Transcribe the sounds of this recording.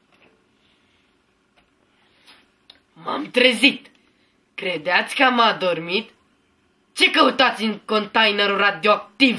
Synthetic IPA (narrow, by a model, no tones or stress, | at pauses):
ma̰mt̪ɾezit̪ | kɾed̪eat̪sʲkəamad̪ormit̪ | t͡ʃe̞kəut̪at̪sʲɨŋkont̪ajneɾurad̪ioak̚t̪iv